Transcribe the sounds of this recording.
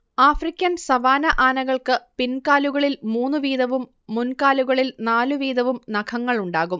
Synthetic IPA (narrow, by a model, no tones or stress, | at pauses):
aːfrikʲːɐnsɐʋaːnɐʔaːnɐɣɐɭkɨpinkaːluɣɐɭilmuːnːɨʋiːðɐʋumː | unkaːluɣɐɭilnaːluʋiːd̪ɐʋumnɐkʰɐŋːɐɭuɳɖaːɣum